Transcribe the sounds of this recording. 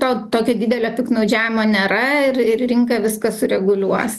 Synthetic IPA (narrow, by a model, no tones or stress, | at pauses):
t̪oːt̪oːkʲɛd̪ʲiːd̪ʲɛlʲoːpʲɪknɐʊd͡ʒʲæːʋʲɪmoːnʲɛɾɐɪrɪrrʲɪŋkɐʋʲɪskɐsʊɾʲɛɡʊlʲuɔs